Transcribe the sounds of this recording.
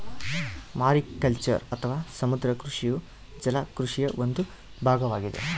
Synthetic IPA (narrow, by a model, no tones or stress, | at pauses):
maːɾikɐlt͡ʃɐ̰ɾɐt̪ʰɐʋaːsɐmud̪ɾɐkɾuʂiju | d͡ʒɐlakɾuʂijɐʋond̪u | bʱaːɡɐʋaːɡid̪ḛ